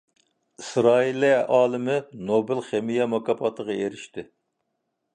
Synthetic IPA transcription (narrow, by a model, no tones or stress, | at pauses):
ɨsɾɑːiliʔɑːlˠɨmɪnobɪlχemijɛmɑkɑpʰɑt̪ʰəʁɑeɾɪʃt̪ɪ